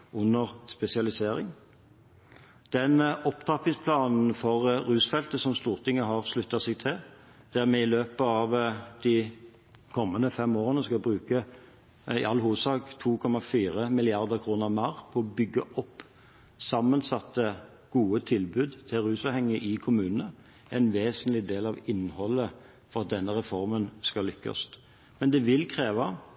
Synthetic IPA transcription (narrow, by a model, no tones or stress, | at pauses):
ʉnːəʁspɛsɪɑlɪseːʁɪŋ | d̪̥ɛnɔpt̪ʰɑpɪŋspʰlɑːnn̩fɔʁɾʉːsfɛlt̪əsɔmst̪uːʁt̪ʰɪŋːəɦɑʁʂlʉt̪ːɑsɛɡt̪ʰɪl | d̪̥æʁmɛɪløːpəɑʋd̪̥i | kʰɔmːənəfɛmoːʁənəskɑbʁʉːkə | ɪ̰ɑlːɦuːsɑːɡt̪ʰuːkʰɔmɑfiːʁəmɪlɪɑʁd̪əʁkʰʁuːnəʁmɑːʁpʰɔɔbʏɡːəʔɔpː | sɑmːənsɑt̪ːə | ɡ̥uːət̪ʰɪlbʉːd̪t̪ʰɪlʁʉːsɑːʋhɛŋːəʔɪkʰʊmʉːnənə | ɛɪnʋeːsənlɪd̪eːlɑʋɪnhɔlːə | fɔʁɑt̪̚d̪ɛnːəʁɛfɔʁmənskɑlːʏkːɑ̰st̪ | mɛnd̪ɛʋɪlkʰʁeːʋɑ